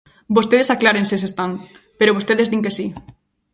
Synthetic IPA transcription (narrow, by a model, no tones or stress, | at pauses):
bost̪eðesaklaɾensesest̪aŋ | peɾoβost̪eðezd̪iŋkesi